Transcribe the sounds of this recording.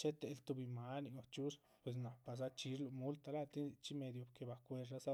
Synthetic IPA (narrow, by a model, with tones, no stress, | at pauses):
t͡ʃe˦t̪e˨lt̪u˧bi˧ma˧˦ni˧˨ɡo˨t͡ʃu˦s | pwe˨s̬na˨pːa˨s̬a˧t͡ʃi˧˦ɾlu˧mu˦lt̪a˧la˦t̪i˦˧t͡ʃi˦me˧d̪jo˨bke˨ba˨kʷe˧ɾa˦sa˦